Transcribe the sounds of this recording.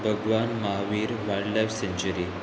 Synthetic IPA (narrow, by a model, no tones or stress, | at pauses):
bʱəɡʋanmaɦaʋiːɾʋajɖlajfseɲt͡ɕəɾiː